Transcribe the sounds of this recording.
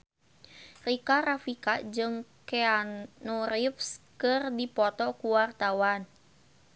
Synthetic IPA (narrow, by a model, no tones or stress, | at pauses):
rikaɾafikad͡ʒɨŋkɛanuɾifskɨrdipɔt̪ɔkuwart̪awan